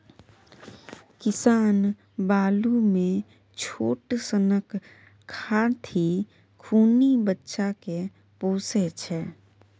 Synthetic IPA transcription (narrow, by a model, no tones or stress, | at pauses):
kɪsaːn | baːlumẽ | t͡ʃʰoːʈsənəkʰː | aːɽt̪ʰi | kʰuːnibətːʃake | poːset͡ʃʰɛ